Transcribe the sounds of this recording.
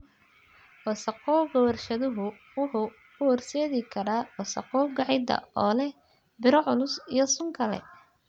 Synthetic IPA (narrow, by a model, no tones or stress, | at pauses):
wɔsɐqɔːwɡɐwɐrʃɐðʊɦʊ | wʊħʊː | ʊwɔrsɛːðɪkʰɐɾaːwɔsɐ̰qɔːwɡɑʕɪd̪ɐ̰ʔɔːlɛ | bɪɾɔʕʊlʊsijɔsʊŋkʰɐlɛ̰